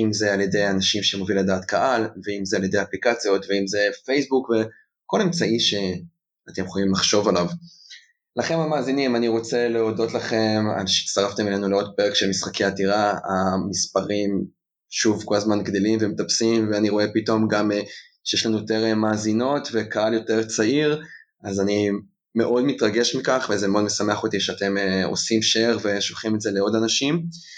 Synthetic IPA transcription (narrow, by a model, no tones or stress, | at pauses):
imzealje̞de̞janaʃimʃemoviledaːtkaʔalveimzealje̞d̪eaplikat͡sjo̞tveimze̞fejsbukve | ko̞lemt͡saiʃe̞ | ate̞mχolimlaχʃo̞valav | laχe̞namaːzinimaniʁo̞t͡se̞leo̞do̞tlaχe̞ma̰lʃe̥staʁaft̪emilenuleo̞d̪̚peʁekʃelmisχakeatiʁaamispaʁim | ʃuvko̞lazmanɡd̪elimvemetapsimveaniʁo̞e̞pito̞mɡame | ʃejeʃlanujoteʁemaːzino̞tve̞kaaljo̞te̞ʁt͡saiʁ | azani | me̞ʔo̞dmitʁaɡe̞ʃmikaχvezemeo̞dmesame̞aχo̞tiʃeate̞meo̞̰simʃeeʁve̞ʃolχimetze̞leo̞danaʃim